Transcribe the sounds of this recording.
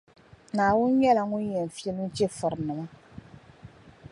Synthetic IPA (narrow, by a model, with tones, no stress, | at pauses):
naː˨wʊ˦nɲɛ˦la˨ŋʊ˦njɛ˨n˨fi˦e˦lu˦n˦t͡ʃe˦fɨ˨ɾɨ˨nɨ˨ma˦